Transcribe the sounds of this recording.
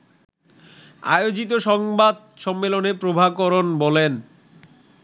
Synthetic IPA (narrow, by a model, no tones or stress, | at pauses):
a̰jod͡ʑit̪̬oʃɔŋbad̪̚ | ʃɔmːelonepɾobʱabkɔɾonbɔlen